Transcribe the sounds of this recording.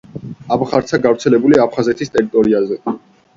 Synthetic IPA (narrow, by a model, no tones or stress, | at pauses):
abχaɾt̪sʰaɡavɾt̪sʰɛlɛbuliapʰχazɛt̪ʰist̪ʼɛɾit̪ʼɔɾiazɛ